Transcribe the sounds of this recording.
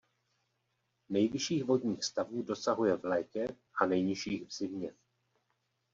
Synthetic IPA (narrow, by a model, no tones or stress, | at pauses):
nɛjvɪʃiːɣvo̞dɲiːxst̪avuːdo̞saɦujɛvlɛːkɛ | ʔanɛjɲɪʃiːɣvz̥ɪmɲɛ